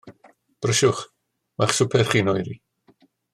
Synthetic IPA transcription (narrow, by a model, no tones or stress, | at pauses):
b̥rəʃʊχ | maχsʊpʰɛrχiːnɔjɾi